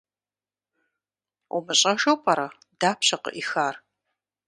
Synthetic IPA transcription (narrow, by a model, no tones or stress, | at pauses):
umɨɕʼɐʒowpʼɐɾɐ | daːpɕɐqə̰ʔixaːr